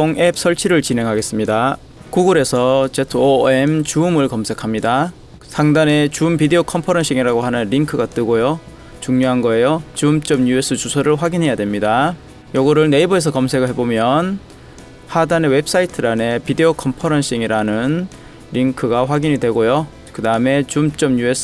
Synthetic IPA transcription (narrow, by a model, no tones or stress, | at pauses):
oŋe̞p̚sʰʌɭt͡ɕʰiɾɯɭt͡ɕine̞ŋɦaɡe̞s͈ɯmɲida | kuɡuɾe̞sʰʌt͡ɕetʰoemt͡ɕuːmɯɭkʌmsʰe̞kʰamɲida | sʰaŋdane̞t͡ɕuːmpideokʰʌmpʰʌɾʌnɕ͈ʰiŋiɾaɡoɦanɯnɾiŋkʰɯɡat͈ɯɡojo | t͡ɕuŋɲoɦanɡʌe̞jot͡ɕumt͡ɕ͈ʌmjue̞s͈ʰɯt͡ɕusʰʌɾɯɭɸwaɡinɦe̞jadwe̞mɲida | joɡʌɾɯɭne̞ibʌes̬ʰʌkʌmsʰe̞ɡɯɭɦebomjʌn | hadanewe̞ps͈aitʰɯɾane̞pideokʰʌmpʰʌɾʌnɕ͈ʰiŋiɾanɯn | ɾiŋkʰɯɡaɸwaɡiɲidwe̞ɡojo | kɯdaɯme̞t͡ɕumt͡ɕ͈ʌmjues͈ʰ